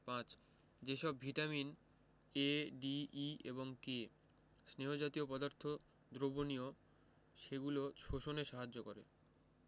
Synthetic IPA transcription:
pãt͡ɕ | d͡ʑeʃɔbbʱiʈamin | eɖiiḛβoŋke | sneɦod͡ʑat̪iopɔd̪aɾt̪ʰo | d̪ɾobonio | ʃeɡulot͡ɕʰoʃoneʃaɦad͡ʑːokoɾḛ

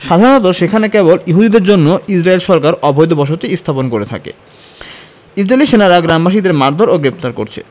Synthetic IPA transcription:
ʃad̪ʱaɾonɔt̪oʃekʰanekeboliɦud̪id̪eɾd͡ʑonːoid͡ʑɾaelʃɔɾkaɾɔbʱojd̪obɔʃ̬ot̪iist̪ʰaponkoɾet̪ʰa̰kḛ | id͡ʑɾaeliʃenaɾaɡɾambaʃ̬id̪eɾmaɾd̪ʱoɾoɡɾep̚t̪aɾko̰ɾt͡ɕʰḛ

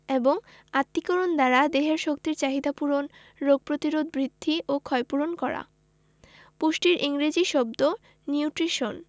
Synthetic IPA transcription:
eboŋ | at̪ːikoɾond̪aɾad̪eɦeɾʃokt̪iɾt͡ɕaɦid̪apuɾon | ɾoɡ̚pɾot̪iɾod̪bɾid̪ʱːiʔokʰɔepuɾonkɔɾa̰ | puʃʈiɾʔiŋɾed͡ʑiʃɔb̚d̪o | niuʈɾiʃon

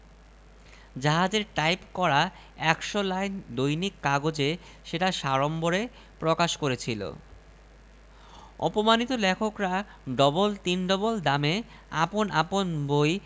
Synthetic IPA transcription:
d͡ʑaɦad͡ʑeɾʈajpkɔɾa | ɛkʃolajnd̪ojnikːaɡod͡ʑe | ʃeʈaʃaɾomboɾe | pɾokaʃkoɾet͡ɕʰilo̰ | ɔ̰pomanit̪olɛkʰokɾa | ɖɔbolt̪inɖɔbold̪ame | aponaponboj

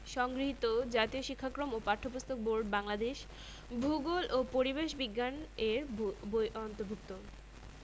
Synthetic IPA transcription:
ʃɔŋɡɾiɦit̪od͡ʑat̪ioʃikʰːakɾomopaɾʈʰopust̪ʰok̚boɾɖbaŋlad̪eʃ | bʱuɡolʔopoɾibeʃbiɡːaneɾbojʔɔnt̪oɾbʱuk̚t̪o

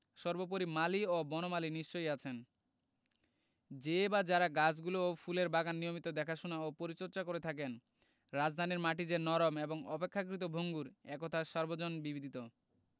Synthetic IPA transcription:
ʃɔɾbop̬oɾimaliobɔnomaliniʃt͡ɕojat͡ɕʰen | d͡ʑebad͡ʑaɾaɡad͡ʑɡuloofʰuleɾbaɡanːiomit̪od̪ɛkʰaʃonaopoɾit͡ɕoɾt͡ɕakoɾet̪ʰak̬en | ɾad͡ʑd̪ʱaniɾmaʈid͡ʑeɾnɔɾomeboŋɔpekʰːak̬ɾit̪̬obʱoŋɡuɾɛkot̪ʰaʃɔɾbod͡ʑonbibid̪ʱit̪o

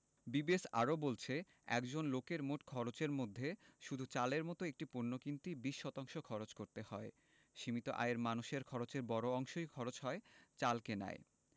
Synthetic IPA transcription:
bibesa̰ɾobolt͡ɕʰe | ɛ̰kd͡ʑonlokeɾmoʈkʰɔɾot͡ɕeɾmod̪ʱːeʃud̪ʱut͡ɕaleɾmɔt̪oek̚ʈipuɾnːokint̪ibiʃːɔt̪aŋʃokʰɔɾot͡ɕkoɾt̪ehɔe | ʃimit̪oʔa̰eɾmanuʃeɾkʰɔɾot͡ɕeɾbɔɾoɔŋʃojkʰɔɾot͡ɕɦɔet͡ɕalkena̰e

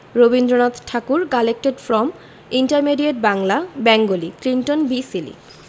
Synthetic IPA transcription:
ɾobind̪ɾonat̪ʈʰakuɾkalek̚ʈeɖfɾɔm | iɳʈaɾmeɖieʈ̚baŋlabɛŋɡoliklinʈonbisilḭ

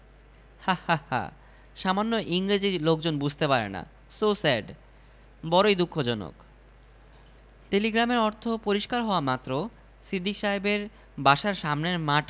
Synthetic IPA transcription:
hahaha̰ | ʃamanːoʔiŋɾid͡ʑilok̚d͡ʑonbud͡ʑʱt̪epaɾḛna̰ | sosɛɖ | bɔɾojd̪ukʰːod͡ʑɔno̰k | ʈeliɡɾameɾɔɾt̪ʰopoɾiʃkaɾɦɔoamat̪ːɾo | sid̪ʱiʃaebeɾ | baʃaɾʃamneɾmaʈ

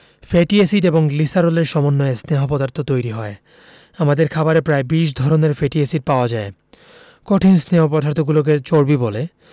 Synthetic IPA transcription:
feʈiesiʈeboŋlisaɾoleɾʃɔmonːɔesneɦopɔd̪aɾt̪ʰot̪ojɾiɦɔe | amad̪eɾkʰabaɾepɾaebiʃ̬d̪ʱɔɾoneɾfeʈiesiʈ̚paoad͡ʑae | kɔʈʰinsneɦopɔd̪aɾt̪ʰoɡulok̬et͡ɕoɾbibole

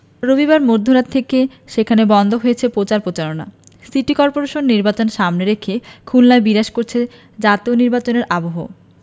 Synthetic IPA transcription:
ɾobiβaɾmoɾd̪ʱoɾat̪ʰːeke | ʃekʰanebɔnd̪ʱoɦojet͡ɕʰepɾot͡ɕaɾpɾot͡ɕaɾona̰ | siʈikɔɾpoɾeʃonːiɾbat͡ɕonʃamneɾekʰekʰullaebiɾaʃkoɾt͡ɕʰe | d͡ʑat̪ioniɾbat͡ɕoneɾʔaboɦo̰

